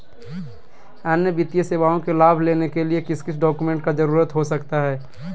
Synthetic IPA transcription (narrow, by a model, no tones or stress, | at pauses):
ənjəbɪt̪ijeseːʋaːõkelaːbʱleːnekeliekɪskɪsʰɖɔːkumẽɳʈkad͡ʒɐɾuːɾət̪ɦosɐkt̪aɦɛː